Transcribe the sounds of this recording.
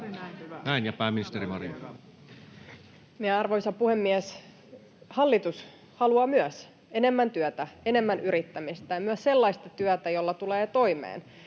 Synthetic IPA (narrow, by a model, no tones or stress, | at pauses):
næinjɑpæːmːinist̪eɾimɑrḭ | mieɑrʋoisɑpuhemːiɛs | hɑlːit̪us | hɑluɑːmyœs | e̞ne̞mːænt̪yœt̪æenemːænʔyɾit̪ːæmist̪æjɑmyøsselːɑist̪ɑt̪yœt̪æjolːɑt̪uleːt̪o̞imḛːn